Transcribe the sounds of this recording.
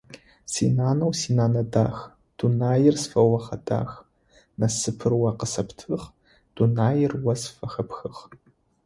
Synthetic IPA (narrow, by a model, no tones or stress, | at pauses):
sḭnaːnɐwsiːnaːnɐda̰ːx | d̥unaːjɪrsfɐwɐχɐda̰ːx | nɐsɨpʰɨrwɐqəsɐpʰtʰɨχ | d̥unaːjɪrwɐsfɐxɐpʰxɨχ